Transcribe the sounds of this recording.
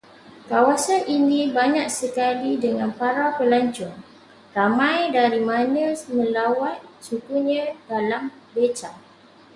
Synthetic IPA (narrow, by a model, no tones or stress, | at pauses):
kawasanʔinĩbaɲak̚səkalidəŋãnpaɾapəlaɲt͡ʃʊŋ | ramãjdaɾimãnə̃mə̃lawat̪̚t͡ʃukuɲãdalam | bət͡ʃa